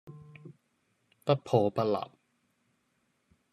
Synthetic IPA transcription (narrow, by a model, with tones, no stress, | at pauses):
pɐ˦˥t̚pʰoː˧pɐ˥t̚lɐ̰˨˩p̚